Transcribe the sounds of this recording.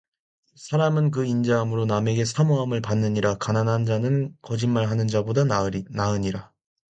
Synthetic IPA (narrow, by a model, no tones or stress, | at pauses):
sʰaɾamɯnk̬ɯind͡ʑaɦamɯɾoname̞ɡe̞sʰamoɦamɯɭpanːɯɲiɾakananɦand͡ʑanɯnkʌd͡ʑinmaɭɦanɯnd͡ʑabodanaɯɲiɾa